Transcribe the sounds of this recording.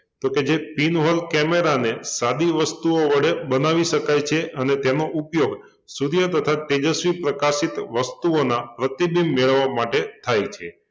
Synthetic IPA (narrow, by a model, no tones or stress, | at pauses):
t̪oked͡ʒepinɦolkɛmeɾanesad̪iʋəst̪uoʋəɽebənaʋiʃəkajt͡ʃʰeʔənet̪enoʔupjoɡ | suɾjət̪ət̪ʰaʈed͡ʒəsʋipɾəkasit̪ʋəst̪uonapɾət̪ibimːeɭəʋːamaʈet̪ʰajt͡ʃʰe